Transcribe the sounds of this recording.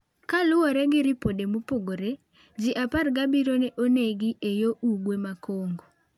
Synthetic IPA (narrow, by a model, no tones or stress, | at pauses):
kalʊɔɾɛɡɪɾɪpodemupoɡoɾe | d͡ʒɪʔaparɡabiɾoneʔoneɡiʔejoʔuɡwemakoŋɡo